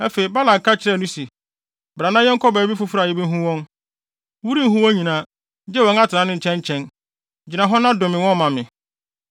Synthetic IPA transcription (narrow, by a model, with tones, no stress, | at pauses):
æ˦fe˨i˨ba˦la˨kʰa˦t͡ɕʰɪ˦ɾɛ˦˨nũ˦si˨ | bɾã˨nã˦jɛ˦ŋ˦kʰɔ˦ba˨˦bi˦fʊ˨fʊ˦ɾa˨jɛ˦bi˦ɦũ˦wɔ̃˦n | wu˦ɾi˦n̩˦ɦũ˦wɔ̃˦ɲĩ˨nã˨˦ | d͡ʑɛ˦wɔ̃˨˦ŋ˦a˦tʰɪ˨ã˨˦nɪ̃˦ɲ̩˨t͡ɕʰɛ̃˦ɲ˦t͡ɕʰɛ̃˦n | d͡ʑi˨nã˨ɦɔ̃˦nã˦dʊ̃˨mɪ̃˨wɔ̃˦˨mã˨mɪ̃˨